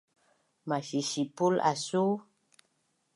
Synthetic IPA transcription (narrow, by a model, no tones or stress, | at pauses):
maʃiʃipula̰su